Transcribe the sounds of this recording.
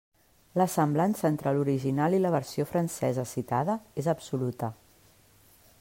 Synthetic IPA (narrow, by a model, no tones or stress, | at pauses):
ləsəmblansəent̪ɾəluɾiʒinalˠiləβəɾsiofɾənsɛzəsit̪a̰ðəezəpsulut̪ə